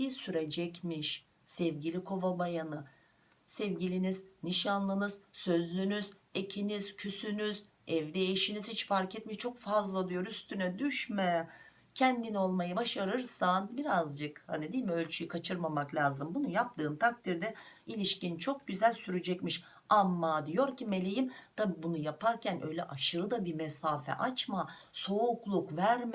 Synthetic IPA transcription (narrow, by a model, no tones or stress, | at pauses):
syɾed͡ʒɛcmiʃ | sɛvɟilʲikʰo̞vabajanɯ | sɛvɟilʲinizniʃanlˠɯnɯzsø̞zlʲynyzecʰiniz̥cʰysynyz | ɛvd̪ɛːʃiniz̥hit͡ʃfaɾcɛt̪miʃt͡ʃʰo̞kfazlˠad̪ˠɯjo̞ɾyst̪ʰynɛd̪yʃmɛ | cʰɛnd̪ino̞lˠmajɯbaʃaɾɯɾsanbiɾazd͡ʒɯkha̰nid̪iːlʲmiø̞lʲt͡ʃʰyjykʰat͡ʃʰɯɾmamaklʲaːzɯmbunujap̚t̪ʰɯːnt̪ʰak̚t̪ʰiɾd̪ɛilʲiʃcint͡ʃʰo̞k̚ɟyzælʲsyɾyd͡ʒɛcmiʃ | amːad̪ijo̞ɾcʰime̞lʲe̞jimt̪ʰabibunujapʰaɾcʰænʔø̞̰jlʲɛʔaʃɯɾɯd̪abimɛsaːfɛ̰ʔat͡ʃmaso̞uklˠukvæɾm